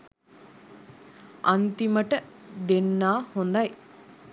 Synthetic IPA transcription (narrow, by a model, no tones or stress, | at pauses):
ɐnt̪imɐʈɐd̪enːaːhond̪aːj